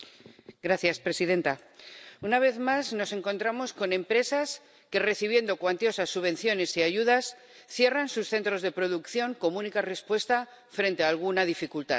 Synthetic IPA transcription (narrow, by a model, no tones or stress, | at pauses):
ɡɾaθjaspɾe̞siðe̞nt̪a | unaβ̞e̞ðmazno̞se̞ŋko̞nt̪ɾamo̞sko̞nẽ̞mpɾe̞sas | ke̞re̞θiβje̞nd̪o̞kwant̪jo̞sasːuβe̞nθjo̞ne̞siaʝuðas | θje̞ransusθe̞nt̪ɾo̞zðe̞pɾo̞ðukθjo̞ŋko̞munikare̞spwe̞st̪a | fɾe̞nt̪e̞aːlɣ̞unaðifikult̪a̰